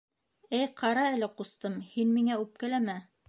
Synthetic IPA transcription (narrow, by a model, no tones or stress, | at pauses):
ɘjqɑɾɑɘ̆lɘqust̪ɤmhinmiŋæʉp̚kælæmæ